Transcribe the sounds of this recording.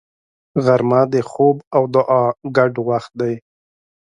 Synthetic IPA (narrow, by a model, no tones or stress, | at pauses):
ɣaɾmɑd̪exobawd̪ʊʔɑɡaɖwaxt̪̚d̪aj